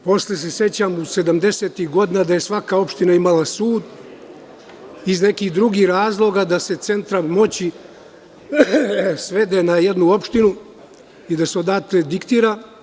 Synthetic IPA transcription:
po̞sles̬esje̞t͡ɕamuse̞d̪amd̪e̞seːt̪ixɡo̞d̪inad̪ajesʋakao̞pʃt̪inaimalasuːd̪ | izne̞kihd̪ɾuɡiːxɾaːzlˠo̞ɡad̪ase̞t̪se̞nt̪ɾamo̞t͡ɕi | sʋe̞d̪enaje̞d̪nuo̞pʃt̪inu | id̪aseod̪aːt̪led̪ikt̪iːɾa

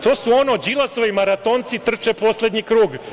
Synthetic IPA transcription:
t̪oːsuo̞no̞d͡ʒilˠasoʋimaɾat̪oːnt̪sit̪r̩t͡ʃepo̞slʲed̪ɲikɾuːɡ

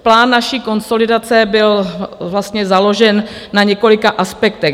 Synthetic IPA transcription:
plaːnːaʃiːko̞nso̞lɪdat͡sɛbɪlvlast̪ɲɛzalo̞ʒɛnː | aɲɛko̞lɪkaʔaspɛkt̪ɛ

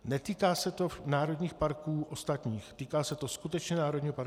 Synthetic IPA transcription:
nɛt̪iːkaːsɛt̪o̞naːɾo̞dɲiːxpaɾkuːʔost̪at̪ɲiːxt̪iːkaːsɛt̪o̞skut̪ɛt͡ʃɲɛnaːɾo̞dɲiːɦopaɾku

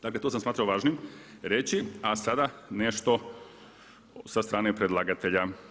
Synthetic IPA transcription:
d̪̥aklet̪oːsamsmaːt̪ɾaoʋaːʒnimɾet͡ʃiasad̪aneʃt̪o | sast̪ɾaːnepɾed̪lˠaːɡat̪eʎa

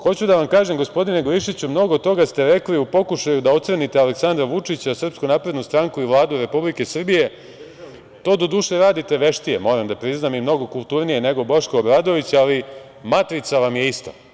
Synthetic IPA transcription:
xo̞t͡ɕud̪aʋamkaːʒe̞mɡo̞spo̞d̪ine̞ɡoiʃit͡ɕumno̞ɡot̪t̪o̞ɡast̪e̞ɾe̞kliupo̞kuʃajud̪ao̞t̪sɾenit̪eale̞ksand̪ɾaʋut͡ʂit͡ɕasr̩pskunaːpɾe̞d̪nust̪ɾaŋkuiʋlˠaːd̪uɾe̞publike̞sr̩bije̞ | t̪o̞ːd̪o̞d̪uʃeɾaːd̪it̪e̞ʋe̞ʃt̪ijemo̞ːɾamd̪apɾiznamimno̞ɡo̞kulˠt̪uɾnije̞ne̞ɡoboʃkoːbɾad̪o̞ʋit͡ɕali | mat̪ɾit̪saʋamje̞ist̪o̰

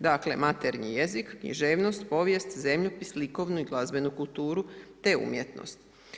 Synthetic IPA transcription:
d̪akle̞mat̪eɾɲḭjezikːɲḭʒeːʋno̞st̪po̞ʋjest̪zemʎopisliko̞ʋnuiɡlˠazbe̞nukult̪uːɾut̪e̞ṵmjet̪no̰st̪

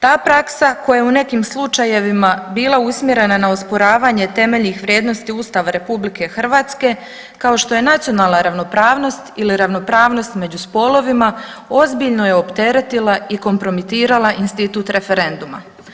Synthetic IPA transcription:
t̪aːpɾaksakojajeune̞kiːmslˠut͡ʃaje̞ʋimabiːlˠausmʲje̞ɾe̞nanao̞spo̞ɾaːʋaːɲe̞t̪e̞me̞ʎnixʋɾʲjeːd̪no̞st̪iuːst̪aːʋaɾe̞publike̞xr̩ʋaːt̪ske̞ | kao̞ʃt̪o̞je̞nat̪sijo̞naːlˠnaɾaʋno̞pɾaːʋno̞st̪iliɾaʋno̞pɾaːʋno̞st̪me̞d͡ʑuspo̞lo̞ʋimao̞zbiʎno̞je̞o̞pt̪e̞ɾe̞t̪ilˠaiko̞mpɾo̞mit̪iːɾalˠaʔinst̪it̪uːt̪ɾe̞fe̞ɾe̞nd̪uma̰

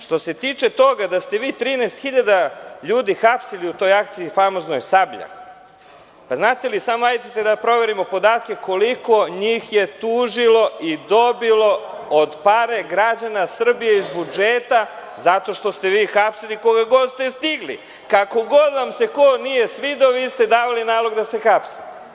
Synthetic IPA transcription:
ʃt̪o̞se̞t̪iːt͡ʃe̞t̪o̞ɡad̪ast̪e̞ʋiːt̪ɾiːnɛːst̪xiʎad̪aʎuːd̪ixapsiliut̪o̞jak̚t̪siifamo̞zno̞jsabʎa̰ | paznaːt̪e̞lisamoajt̪et̪ed̪apɾo̞ʋe̞ɾimo̞po̞d̪aːt̪̚ke̞ko̞liko̞ɲiːxje̞t̪uːʒilo̞id̪o̞bilˠo̞od̪paɾe̞ɡɾad͡ʑanasr̩bijeizbud͡ʒeːt̪a | zat̪o̞ʃt̪o̞st̪e̞ʋiːxapsiliko̞ɡaɡo̞d̪st̪est̪iɡlḭ | kako̞ɡo̞d̪ʋamse̞konije̞sʋid̪oʋiːst̪e̞d̪aːʋalinaːlo̞ɡd̪ase̞xapsi̥

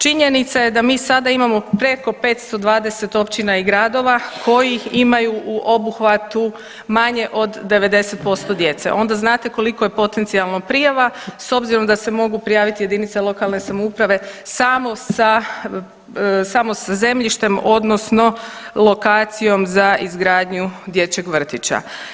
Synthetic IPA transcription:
t͡ʃiɲe̞nit̪saje̞d̪amiːsad̪aimamo̞pɾe̞ko̞pe̞t̪st̪o̞d̪ʋaːd̪e̞se̞t̪o̞pt͡ɕinaiɡɾaːd̪o̞ʋakʰo̞jiimajuuʔo̞buxʋat̪u | maɲe̞ʔo̞d̪dːe̞ʋe̞d̪e̞se̞t̪̚po̞st̪o̞d̪je̞t̪se̞̰ʔo̞nd̪aznaːt̪e̞ko̞liko̞je̞po̞t̪e̞nt̪sialˠnopɾijaʋaso̞bziɾo̞md̪ase̞mo̞ɡupɾijaːʋit̪ije̞d̪init̪selˠo̞kalˠne̞samoupɾaʋe̞samo̞sa | samo̞saze̞mʎʲiʃt̪e̞mo̞d̪no̞sno̞lˠo̞kaːt̪sijo̞mzaizɡɾaːd̪ɲud̪je̞t͡ɕe̞ɡʋr̩t̪it͡ɕa̰

